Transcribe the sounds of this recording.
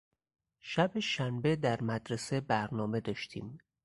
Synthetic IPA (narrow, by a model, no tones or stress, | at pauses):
ʃæbeʃænbe̞d̪æɾmæd̪ɾese̞bæɾnɒːme̞d̪ɒːʃt̪ʰḭːm